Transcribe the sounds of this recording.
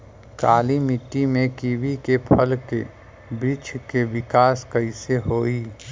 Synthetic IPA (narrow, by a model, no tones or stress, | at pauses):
kaːlimɪʈːimẽkiʋikepʰəlke | bɾɪt͡ʃʰkeʋɪkaːskəɪseɦoːi